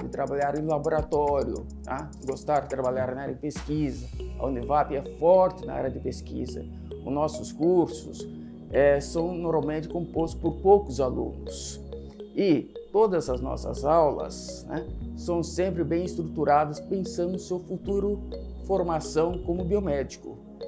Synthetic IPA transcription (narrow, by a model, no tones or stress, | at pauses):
d̪ɪt̪ɾabaʎaɾẽj̃laboɾat̪ɔɾjʊ̰ | a̰ | ɡost̪aɾd̪ɪt̪ɾabaʎaɾnɐaɾɐd̪ɪpeskizɐɐ̰unɪvapɪɛfɔɾt͡ʃ̪ɪnɐ̰a̰ɾɐd̪ɪpeskḭzɐ̰ | ʊznɔsʊskuɾsʊ̰s | ɛsɐ̃w̃noɾmawmẽnt͡ʃ̪ɪ̥kõmpost̪ʊ̥spoɾpowkʊzalṵ̃nʊs | ɪt̪od̪ɐzɐznɔ̰sɐ̰zawlɐ̰snɛ̰ːɐ̃w̃sẽmpɾɪbẽj̃ɪst̪ɾut̪uɾad̪ɐspẽsɐ̃nd̪ʊnʊsewfut̪uɾʊfoɾmasɐ̃w̃kõmʊbiomɛd͡ʒikʊ